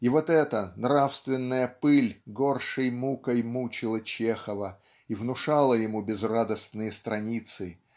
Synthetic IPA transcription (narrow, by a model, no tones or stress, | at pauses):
ivot̪ɛt̪ənɾafst̪vʲɪnːəjəpɨlʲɡo̞rʂɨjmukəjmut͡ɕɪlˠət͡ɕexəvə | ivnʊʂalˠəjɪmubʲɪzrad̪əsnɨjəst̪ɾɐnʲit̪sɨ